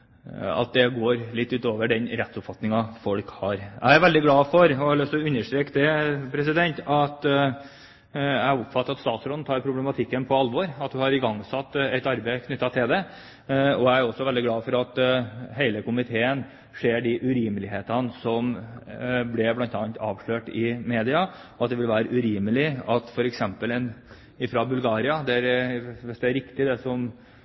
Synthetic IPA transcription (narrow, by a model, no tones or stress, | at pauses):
ɑ̰t̪̚d̪ɛɡoːɾlɪt̪ːʉːt̪oːʋəɖɛnɾɛt̪sʊpfɑt̪nɪŋɑfɔlkhɑɾæ̰ɪæɾʋɛld̪ɪɡlɑːfɔɾɔɑlsɔʉnːəʂʈɾeːkd̪ɛpʰɾɛsɪd̪ɛnt̪ɑt̪ | æɪʊpfɑt̪ːəɾɑt̪st̪ɑːt̪sɾɔd̪n̩t̪ʰɑːɾpʰɾʊblɛmɑt̪ʰɪkːənpʰɔɑlʋɔɾɑt̪hʉhɑɾɪɡɑŋːsɑt̪ːɛt̪ɑɾbəɪkʰnʏt̪ːɑt̪ʰɪld̪ɛ | ɔæɪæɾɔsːɔʋɛld̪ɪɡlɑːfɔɾɑt̪ɦeɪləkʊmɪt̪ʰeːən | ʂeːɖɪʔʉɾiːməlɪɦeːt̪ɑnəsɔm | blɛblɑnt̪ɑːnt̪ɑːʋʂɭøːʈɪmeːd̪ɪɑɔɑt̪̚d̪ɛʋɪlʋæːɾəʔʉɾiːməlɪɑt̪fɔɾɛksɛmpəlɛn | ɪfɾɑbʉlɡɑːɾɪɑd̪ɛæɾʋɪsd̪ɛæɾɪkt̪ɪd̪ɛsɔm